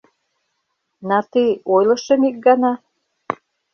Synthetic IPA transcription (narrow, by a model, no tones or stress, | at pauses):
nɑt̪iojlɤ̆ʃə̆mik̚ɡɑnɑ